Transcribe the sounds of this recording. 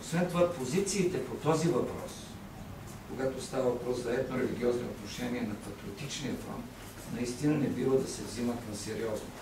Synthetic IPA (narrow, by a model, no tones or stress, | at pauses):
osvɛnt̪ovapozit̪siːt̪ɛpot̪ɔzivɐpɾɔ̰s | koɡat̪ost̪avɐvɐpɾɔszɐɛt̪noɾɛliɡʲiɔznoot̪noʃɛniɛnɐpɐt̪ɾiot̪it͡ʃniɐp̪lˠa̰n | nɐist̪inɐnɛbivˠəd̪ɐsɛvzimɐt̪nɐsɛɾiɔzno